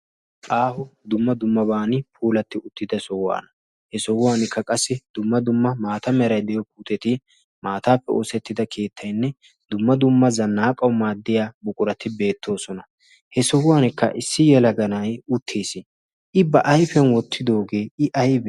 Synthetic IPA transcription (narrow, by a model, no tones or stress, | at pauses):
ʔaːhʊd̪ʊmːɐd̪ʊmːɐbaːnɪpʰuːlɐt̪ːɪʊt̪ːɪd̪ɐsɔwa̰ːnɐ | hɛsɔwʊwaːnɪkːɐkʼɐsːɪd̪̥ʊmːɐd̪ʊmːɐmaːt̪ɐmɛɾɐjd̪ɛjɔk̚uːt̪ʼɛt̪ɪ | maːt̪aːpːɛɔsɛt̪ːɪd̪ɐkʰe̞ːt̪ʰːɐjnːɛ | d̪ʊmːɐd̪ʊmːɐzɐnːaːkʼɐwmaːd̪ːɪjaːbʊkʼʊɾɐt̪ːɪbe̞ːt̪ʰːo̞ːsɔnɐ | hɛsɔwʊwaːnɪkːɐ̰ʔɪsːɪjɛlɐɡɐnɐjʊt̪ʰːeːsɪ | ʔɪbɐʔɐjfɛnwɔt̪ʰːɪd̪o̞ːɡe̞ːɪʔɐjbɛ